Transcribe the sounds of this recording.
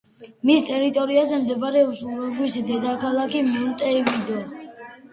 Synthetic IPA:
mist̪ʼɛɾit̪ʼɔɾiazɛmd̪ɛbaɾɛusuvɛblisd̪ɛd̪akʰalˠakʰimiunt̪ʼɛivid̪ɔ

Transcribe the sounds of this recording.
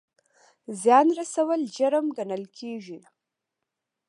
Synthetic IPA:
zjɑnɾasawəld͡ʒaɾəmɡanəlkʲʰeʒi

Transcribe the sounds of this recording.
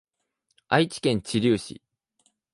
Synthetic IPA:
ait͡ɕi̥kẽ̞ɲ̟t͡ɕiɾʲɨːɕḭ

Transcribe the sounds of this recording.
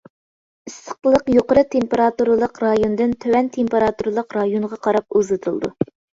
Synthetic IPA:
ɨst̪ə̥qəlˠəqjoqəɾɨt̪ʰempeɾɑt̪uɾɨlˠəqɾɑjond̪ɨnt̪ʰøwɛnt̪ʰempeɾɑt̪uɾlˠəqɾɑjonʁɑqʰɑɾɑp̚uzɨt̪ʰulˠd̪ṵ

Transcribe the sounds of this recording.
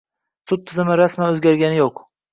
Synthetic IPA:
sʊt̪̚ʰːɪzɪmɪɾasmanɵzɡʲaɾɡʲanɪjoq

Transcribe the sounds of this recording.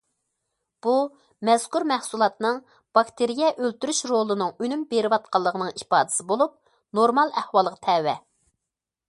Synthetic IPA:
b̥u | mɛz̥kuɾmɛhsulˠɑt̪nɨŋ | b̥ɑkt̪ʰeɾijɛʔølt̪yɾyʃɾolˠɨnɨŋynymbeɾɪwɑt̪̚qɑlˠːəʁənɨŋipɑːd̪ɪ̥sɪbolˠup̚ | noɾmɑlˠæhwɑlˠəʁɑt̪ʰɛwɛ

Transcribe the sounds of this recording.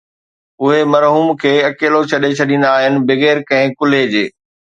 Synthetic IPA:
ʊɦemɐɾɦuːmkʰeːɐkeːlot͡ɕʰɐɗet͡ɕʰɐɗĩn̆d̪aːɦɪnɪ̆bɪɣeːɾkɐ̃ɦɪ̃kʊled͡ʑeː

